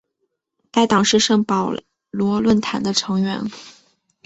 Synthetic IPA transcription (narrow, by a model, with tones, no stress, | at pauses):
t̪a˥˩ɪt̪ɑ˨˩ŋʂɻ̩˥˧ʂɤ˥˩ŋpɑ˨˩ʊ | lwɔ˧˥lwə˥˩nt̪ʰa˨˩˦nd̪ə˧ʈ͡ʂʰɤ˧˥ŋɥɛ̰˧˥n